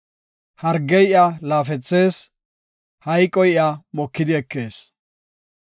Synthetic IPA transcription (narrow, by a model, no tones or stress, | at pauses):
hɐɾɡɛjʔalaːfɛt͡sːe̞ːs | hɐjkʼːɔjʔamɔkːɪd̪ɪɛkːe̞ːs